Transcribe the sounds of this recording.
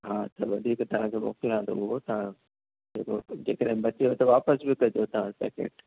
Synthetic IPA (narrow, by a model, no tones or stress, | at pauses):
ɦaːt̪ɐʋɐd̪ʱiːkt̪ɐʋ̤ãkʰeːmo̰ːkɪlãːnd̪o̰ʊɦot̪ɐʋ̤ã | d͡ʑḛːkod͡ʑeːkəɗɦɪ̃bɐt͡ɕijot̪ɐʋaːpəsbɪkɐd͡ʑot̪ɐʋ̤ãsɛ̰ːkḛːʈ